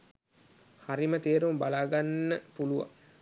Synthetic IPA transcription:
haɾimət̪eːɾumbalaːɡanːəpuluʋa̰ŋ

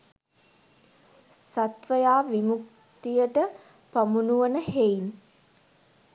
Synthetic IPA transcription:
sat̪ʋəjaːʋimuk̚ | t̪ijəʈə | pamunuʋənəhein

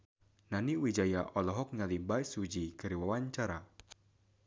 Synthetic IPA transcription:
naniwid͡ʒajaʔɔlɔɦɔk̚ɲalibajsud͡ʒikəɾiwawaɲt͡ʃaɾa

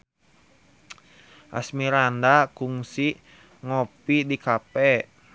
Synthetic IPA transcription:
ʔa̰smiɾandakuŋsi | ŋɔpidikapɛ

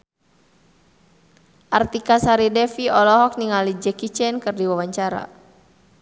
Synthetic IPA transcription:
ʔart̪ikasaɾidɛfiɔlɔɦɔk̚niŋalid͡ʒɛkit͡ʃɛnkɨrdiwawaɲt͡ʃaɾa̰

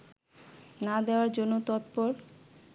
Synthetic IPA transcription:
nad̪eoaɾd͡ʑonːot̪ɔt̪pɔɾ

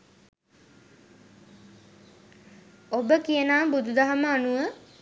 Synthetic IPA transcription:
obəkijənaːbud̪ʱud̪aɦəməanuʋə

